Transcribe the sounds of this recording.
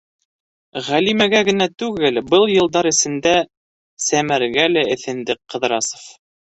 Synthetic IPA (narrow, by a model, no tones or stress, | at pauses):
ʁælimæɡæɡɘ̆næt̪ʉɡɘlbɤlˠjɤ̆lˠd̪ɑɾɘ̆sɘ̆nd̪æ | sæmæɾɡælæɘ̆θɘ̆nd̪ɘkqːɤ̆ðɾɑsŏ̥f